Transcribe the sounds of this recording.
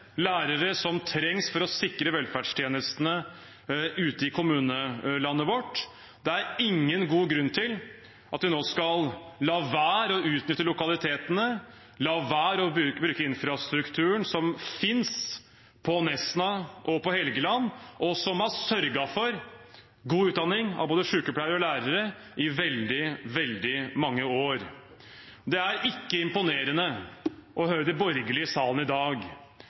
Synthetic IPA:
læːɾəɾəsɔmt̪ʰɾɛŋsfɔɾɔsɪkɾəʋɛlfæɖst̪ʰjeːnəst̪nə | ʉːt̪əɪkʰʊmʉːnəlɑnːəʋɔʈː | d̪ɛæɾɪŋːənɡuːɡɾʉnt̪ʰɪl | ʔɑt̪̚d̪ɪnoːskɑllɑːʋæːɾɔʉːt̪nʏt̪ːəlʊkɑlɪt̪ʰeːt̪ənə | lɑːʋæːɾɔbʉːbɾʉːkəɪnfɾɑst̪ɾʉkt̪ʰʉːəɳsɔmfɪns | pʰɔnɛsnɑʔɔpɔhɛlɡəlɑnːɔsɔmɑsœɾɡɑfɔɾ | ɡuːʉːt̪̚d̪ɑnːɪŋɑ̰ʋboːd̪əʂʉːkəpʰɽæɪəɾəɾɔlæːɾəɾə | ʔɪʋɛld̪ɪʋɛld̪ɪmɑŋːəoːɾ | d̪ɛæɾɪkːəɪmpʊneːɾənəʔɔhœːɾəd̪ɛbɔɾɡəlɪəsɑːlən̩ɪd̪ɑːɡ

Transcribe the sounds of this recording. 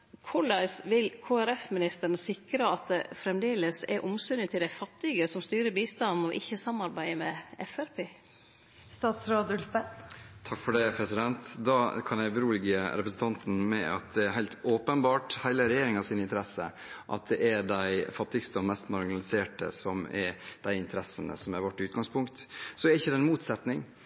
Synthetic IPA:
kʰɔlɑsʋɪlkʰoːæɾɛfmɪnɪst̪əɾəɳəsɪkɾəɑt̪̚d̪ɛfɾɛmd̪eːləsɛ̰ɾʔɔmsʉnət̪ʰːɪld̪æɪfɑt̪ːɪɡəsɔmst̪yːɾəbiːst̪ɑnn̩ɔʔɪçːəsɑmɑɾbæɪəmɛɛfæɾpʰeː | st̪ɑːt̪sɾoːd̪ʉlsbæt̪ʰɑkːfɔɖɛpʰɾɛsɪd̪ɛnt̪d̪ɑːkʰɑnjæɪbəɾuːlɪɡəɾɛpɾəsn̩t̪ɑnt̪n̩mɛ̰ɑ̰t̪̚d̪ɛæɾɦæɪlt̪oːpənbɑːʈhæɪləɾɛjeːɾɪŋɑʋsiːnɪnt̪ʰəɾɛsə | ʔɑ̰t̪̚d̪ɛʔæɖæɪfɑt̪ːɪɡst̪əɔmɛst̪mɑɾɡɪnɑlɪseːʈə̰sɔmæ̰ɾd̪̥æɪɪnt̪ʰəɾɛsːənə̰sɔmæɾʋɔʈːɪʉːt̪̚ɡɑŋspʰʊŋkt̪sɔɛɾɪçːəd̪ɛɪnmuːt̪sɛt̪nɪŋ

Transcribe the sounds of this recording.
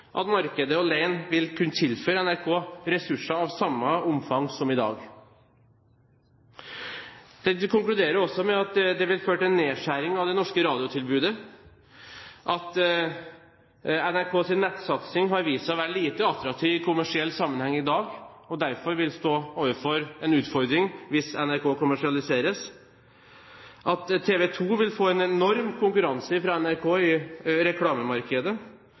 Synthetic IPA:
ʔɑ̰t̪mɑɾkəd̪əɔleɪnʋɪlkʰʉnːət̪ʰɪlføːɾəɛnæɾkʰoːɾɛsʉʂɑɑʋsɑmːəʊmfɑŋsɔmɪd̪ɑ̰ːɡ | d̪̥ɛkʰʊŋklʉd̪eːɾəɾɔsːɔmɛɑt̪d̪ɛʋɪlføːʈɛnːeːʂæɾɪŋɑʋd̪ɛnɔʂkəɾɑːd̪ɪʊt̪ʰɪlbʉːd̪ə | ʔɑt̪ | ɛnæɾkʰoːsɪnːɛt̪ːsɑt̪sɪŋɦɑɾʋiːsɑɔʋæːɾliːt̪əɑt̪ːɾɑk̚t̪ʰiːʋɪkʰʊmæʂɪɛlːsɑmːənhɛŋːɪd̪ɑːɡɔd̪æɾfɔɾʋɪlst̪oːoːʋəfɔɾɛnʉːt̪fɔɾd̪ɾɪŋʋɪsɛnæɾkʰoːkʰʊmæʂɪɑlɪseːɾəs | ʔɑt̪ʰːeːʋɛt̪ʰuːʋɪlfoːɛnɛnɔɾmkʰʊŋkʉɾɑnsəfɾɑɛnæɾkʰoːɪɾɛkʰlɑːməmɑɾkəd̪ə

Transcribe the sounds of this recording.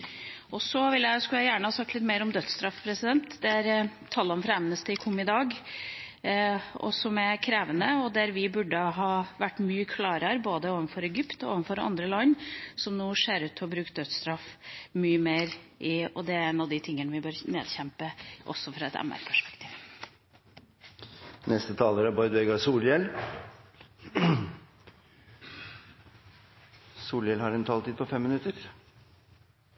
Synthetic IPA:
ʔɔsɔʋɪljæɪskʉljæɪjæːɳəhɑːsɑkt̪lɪt̪ːmeɪɾɔmd̪œt̪st̪ɾɑfpʰɾɛsɪd̪ɛnt̪d̪ɛæɾt̪ʰɑːlːəɔmfɾɑɛmnəst̪əɪkʰʊmːɪd̪ɑːɡ | ɔ̰sɔmækʰɾeːʋənəɔd̪æɾʋɪbʉɖːəɦɑːʋæʈːmyːəkʰlɑːɾəɾboːd̪əoːʋənfɔɾɛɡʏpt̪ɔo̰ːʋənfɔɾɑ̰nd̪ɾəlɑnːsɔmnuːʂeːɾʉːt̪ʰːɪɔbɾʉːkt̪̚d̪œt̪st̪ɾɑfmyːəmeːɾʔɪɔd̪ɛɛnːɑʋd̪ɪt̪ʰɪŋːənəʋɪbøːɾnḛːd̪çɛmpəʔɔ̰sːɔfɾɑɛt̪ɛ̰mæ̰ɾpʰæʂpɛ̥kt̪ʰiːʋ | nɛst̪ət̪ʰɑːləɾəbɔʏd̪ʋɛɡɑsuːljɛl | suːljɛlhɑɾɛnt̪ʰɑlt̪iːd̪̚pʰɔfɛmːɪnʉt̪əɾ

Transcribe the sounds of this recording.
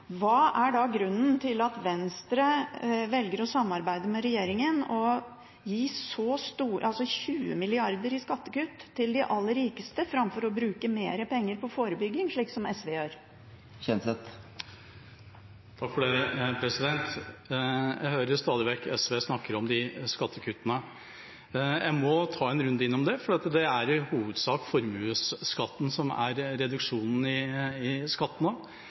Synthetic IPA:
ʋɑːʔæɖɑɡɾʉnːənt̪ʰɪlɑt̪ʋɛnst̪ɾəʋɛlɡəɾɔsɑmːɑɾbæɪd̪əmɛɾɛjeːɾɪŋənɔ | jiːsɔst̪uːʔɑlsɔçʉːə̰mɪlɪɑɾd̪əɾɪskɑt̪ːəkʉːt̪ʰːɪld̪ɪʔɑlːəɾːiːkəst̪əfɾɑmfɔɾɔbɾʉːkəmeːɾəpʰɛŋːəɾpʰɔfoːɾəbʏɡːɪŋʂɭiːksɔmɛsʋeːjøːɾ | çɛnsɛt̪ | t̪ʰɑkfɔɖɛpʰɾɛsɪd̪ɛnt̪ | jæhøːɾəɾst̪ɑːd̪ɪʋɛkːɛsʋeːsnɑkːəɾɔmd̪ɪskɑt̪ʰːəkʰʉt̪ːənə | jæɪmɔt̪ʰɑːɛnɾʉnd̪əɪnːɔmd̪ɛfɔɖɛːɑt̪d̪ɛæɾhuːʋəd̪sɑːkfɔɾmʉːsskɑt̪ːn̩sɔmæ̰ɾɾɛd̪ʉkʂuːnn̩ɪɪskɑt̪ːn̩oː

